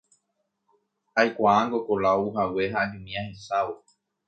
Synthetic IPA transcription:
hajkʷaaŋɡokolaouɦawe̞ɦaːd͡ʒũmĩãhesawo

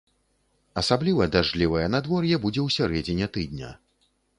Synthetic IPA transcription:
ɐsablʲivɐd̪aʐlʲivɐjɛnad̪vɔrjɛbud͡zʲɛwsʲaɾɛd͡zʲɛnʲɛt̪ɨd̪̚ʲnʲɐ̰

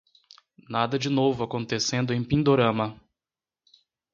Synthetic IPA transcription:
nad̪ɐd͡ʒɪnovʊakõnt̪esẽnd̪ʊẽj̃pĩnd̪oɾɐ̃mɐ

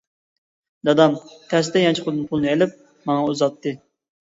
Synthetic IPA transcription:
d̪ɑd̪ɑmt̪ʰɛs̬t̪ɛjɑnt͡ʃʰiqʰʊd̪ɨnpʰʊlˠɨnɨelɪp̚ | mɑŋɑuzɑt̪ːɨ

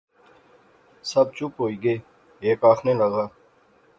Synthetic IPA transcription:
səb̚t͡ʃʊpɦoːiːɡəeː | eːkaːxʰnẽːləɡaː

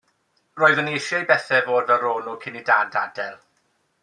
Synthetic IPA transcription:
roːɨðənejʃjɛjbɛθɛvoːdvɛlˠroːnukʰɪnidada̰dɛlˠ

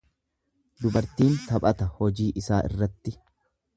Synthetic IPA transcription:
d̪ʊbɐɾt̪iːnt̪ɐpʼɐt̪ɐhɔd͡ʒiːʔɪsaːʔɪ̰rːɐt̪ːɪ

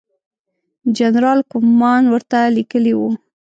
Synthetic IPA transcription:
d͡ʒanɾɑlkʊmmːɑnwəɾt̪alikəliwu

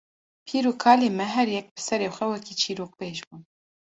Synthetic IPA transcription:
pʰiːɾuːkʰɑːleːmɛɦɛɾjɛk̚bɨsɛɾeːxʷɛwɛkiːt͡ʃʰiːɾoːk̚peːʒbuːn

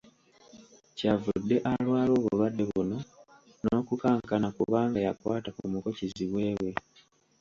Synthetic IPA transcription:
cavudːe̞ʔalwaːlo̞ːβulwadːe̞βuno̞ | no̞ːkukaːŋkanakuβaːŋɡajakwaːtakumukociziβwe̞ːwe̞

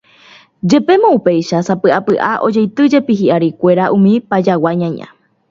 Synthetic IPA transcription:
d͡ʒe̞pe̞mõupe̞jʃasapɨʔapɨʔaʔo̞̰d͡ʒejt̪ɨd͡ʒe̞piɦiʔaɾikʷe̞ɾaʔũmĩpad͡ʒawaɲãɲã̰

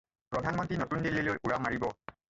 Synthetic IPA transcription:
pɹɔdʱanmɔntɹinɔtundilːilojʔuɹamaɹibɔ

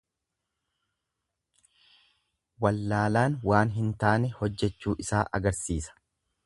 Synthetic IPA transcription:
wɐlːaːlaːnwaːnɦɪnt̪aːnɛhɔd͡ʒːɛt͡ʃːuːʔɪsaːʔɐ̰ɡɐɾsiːsɐ̥

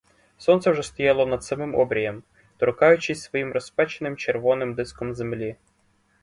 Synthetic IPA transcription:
sɔnt̪sɛwʐɛst̪ɔjalˠɔnɐd̪t̪sɐmɪmɔ̰bɾʲɪjɛm | t̪ɾʊkajʊt͡ɕɪsʲsʋɔjimrɔspat͡ɕɪnɪmt͡ʃerʋɔnɪmd̪ɪskɔmzemlʲi

